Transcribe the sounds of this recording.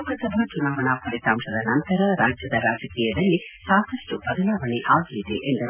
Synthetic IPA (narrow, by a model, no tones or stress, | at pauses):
kɐsɐbʱɐt͡ʃunaːʋɐɳaːpɐlit̪aːmʂɐd̪ɐnɐnt̪ɐɾɐɾaːd͡ʒjɐd̪ɐɾaːd͡ʒɐkiːjɐd̪ɐlːisaːk̪ɐʂʈubɐd̪ɐlaːʋɐnɛʔaːɡiid̪ḛʔend̪ɐɾ